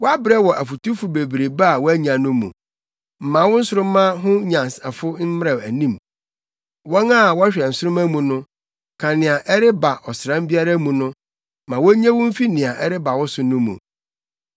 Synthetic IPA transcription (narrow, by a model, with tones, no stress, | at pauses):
wɔ˦a˦bɾɛ˦wɔ˨ʔæ˨fu˨tu˦fʊ˨be˨bɾe˨ba˦˨wɔ˦æ˦ɲã˨nʊ̃˦mṵ̃˨ | m̩˨mã˨wʊ˦n̩˦sʊ˦ɾʊ̃˦mã˦ɦʊ̃˦ɲã˨sa˨fʊ˦n̩˦m˦ɾɛ˨æ̰˨nĩ˦m | wɔ̃˦ŋa˦˨wɔ˦a˦ɕᶣɛ˨n̩˨sʊ˦ɾʊ̃˦mæ˦mũ˨nʊ̃˦ | kʰã˨nɪ̃˨a˨ʔɛ˦ɾɪ˦ba˨ʔɔ˨sɾã˦m˦bi˦a˦ɾa˦mũ˨nʊ̃˦ | mã˨wɔ˦ɲã˦wʊ̃˦m̩˦fi˦nɪ̃˨a˨ʔɛ˦ɾɪ˦ba˨wɔ˦sʊ˦nʊ̃˦mṵ̃˨